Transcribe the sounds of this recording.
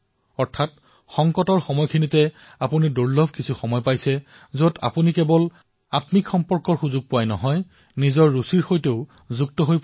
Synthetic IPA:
ɔɹtʰat̚ | xɔŋkɔtɔɹxɔmɔjkʰinitɛ | apuniduɹlɔbʱkisʰuxɔmɔjpajsɛ | zota̰punikɛbɔl | atmikxɔmpɔɹkɔɹxuzuɡ̚pʊajnɔɦɔj | nizɔɹːusiɹxojteʊ | zuɡ̚tɔɦojp

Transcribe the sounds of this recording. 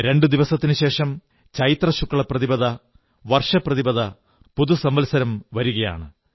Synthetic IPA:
ɾe̞ɳɖɨd̪iʋɐsɐt̪ːinɨɕe̞ːʂɐm | t͡ɕɐjit̪rɐɕukːɐɭɐprɐðibɐðɐ | ʋɐrʂɐprɐðibɐðɐ | puðusɐmbɐlsɐɾɐmʋɐɾuɣɐja̰ːɳɨ

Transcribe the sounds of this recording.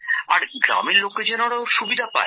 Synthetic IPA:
aɾɡɾa̰meɾlokːed͡ʑɛnoɽaoʃubid̪ʱapa̰e

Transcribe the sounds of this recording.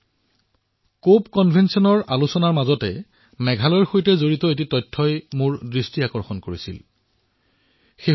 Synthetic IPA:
kopkɔnbʱensiɔnɔɹʔalusɔnaɹmazɔtɛ | mɛɡʱalɔjɹxojtɛzoɹitɔet̬itɔjtʰːɔjmʊɹdɹistiakɔɹxɔnkoɹisḭl | xe

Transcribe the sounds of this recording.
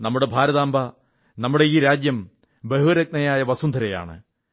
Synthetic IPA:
nɐmːuɽe̞bʱaːɾɐðaːmbʱa | nɐmːuɽe̞iːɾaːd͡ʑjɐm | beɦuɐɾɐk̚nɐjaːjɐʋɐsund̪ʱɐɾɐja̰ːɳɨ̰

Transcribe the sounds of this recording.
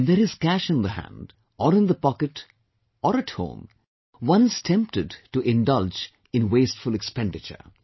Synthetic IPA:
nd̪eɾɪz̥kæʃɨ̃nd̪əɦæ̰̃nd | ɔɾɪ̃nd̪əpɔkɨʈ | ɔɾɨʈhõ̰ːm | wʌ̃nɪz̥tʰɛ̃mp̚ʈɨɖʈuʔɪ̃ndʌld͡ʒ | ɪ̃nweːstfʊlɛkspɛ̃nɖɨt͡ʃə̰˞

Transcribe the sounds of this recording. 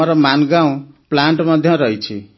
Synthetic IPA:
ʌɾʌmanɡaw̃ | plaɳʈmʌd̪ʱjʌ̃ɾʌjt͡sʰḭ

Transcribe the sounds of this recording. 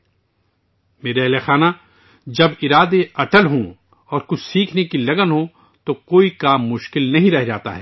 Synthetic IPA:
meːɾaɐɦlexaːna | d͡ʒɐbɪɾaːd̪eɐʈəlɦõ | ɔːɾkʊt͡ʃʰsiːkʰnekilɐɡənɦo | t̪okoːikaːmːʊʃkɪlnɐɦĩɾɛɦd͡ʒaːt̪a̰ɦɛː

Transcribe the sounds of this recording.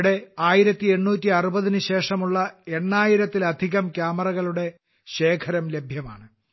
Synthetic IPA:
ɽe̞aːjiɾɐt̪ːie̞ɳːuːtːiɐrubɐðinɨɕe̞ːʂɐmuɭːɐe̞ɳːaːjiɾɐt̪ːilɐd̪ʱiɣɐmkʲjaːmɐrɐɣɐɭuɽe̞ | ɕe̞ːkʰɐɾɐmle̞bʱjɐma̰ːɳɨ

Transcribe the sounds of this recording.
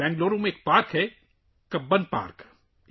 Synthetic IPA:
ɛ̃ːŋɡloːɾomẽeːk̚paːɾkɦɛ | kɐbːənpa̰ːɾk

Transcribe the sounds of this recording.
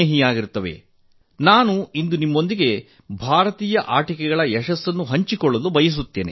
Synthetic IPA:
eɦijaːɡiɾt̪ːɐʋḛ | naːnuind̪unimːo̞nd̪iɡe̞ | bʱaːɾɐt̪iːjɐʔaːʈikɛɡɐɭɐjɛʃɐsːɐnːuɦɐɲt͡ʃikɔɭːɐlubɐjɐs̬ut̪ːeːnḛ

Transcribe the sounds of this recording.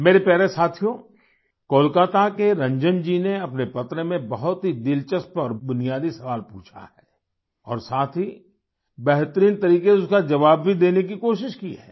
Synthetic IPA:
meːɾepɛːɾesaːt̪ʰijõ | koːlkaːt̪akeɾɐ̃ɲd͡ʒənd͡ʒiːneɐpnepɐt̪ɾəmẽbɐɦʊt̪ɦid̪ɪlt͡ʃəspɔːɾbʊnijaːd̪isɐʋaːlpṵːt͡ʃʰa̰hɛː | ɔ̰ːɾsaːt̪ʰi | bɛɦt̪əɾiːnt̪ɐɾiːkeʊskad͡ʒɐʋaːb̚bʱid̪eːnek̬ikoːʃɪʃkiɦɛː

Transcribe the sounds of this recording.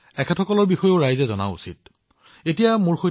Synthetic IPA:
ɛkʰɛtʰɔkɔlɔɹbixɔjoʊɹajzɛzɔna̰ṵsḭt̚ | etijamʊɹxoj

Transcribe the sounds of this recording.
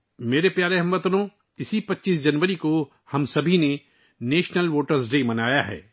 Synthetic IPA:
meːɾepjaːɾeɦɐ̃mʋɐt̪nõ | ɪsipɐtːʃiːs̬d͡ʒɐnʋəɾiko | hɐmsɐbʱine | neːʃnəlʋoːʈəɾsɖeːmɐnaːjaɦɛ̰ː

